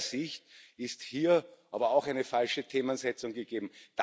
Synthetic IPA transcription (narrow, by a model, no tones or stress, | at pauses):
zɪçtɪsthiːɐʔaːbɐaʊxæɪnəfalʃətʰeːmənzɛt͡sʊŋɡəɡ̥eːbm̩d̥